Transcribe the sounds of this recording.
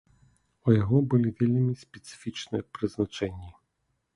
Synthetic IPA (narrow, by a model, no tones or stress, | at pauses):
ujaɣɔbɨlʲivʲelʲmʲisʲpʲɛt̪sɨ̥fʲit͡ʂnɨjɛpɾɨznat͡ʂɛnʲːi